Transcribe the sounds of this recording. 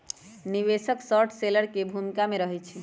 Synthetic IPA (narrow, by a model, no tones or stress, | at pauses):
niʋesəksɔɾʈʰseləɾkebʱumikameɾəɦɛt͡ʃʰi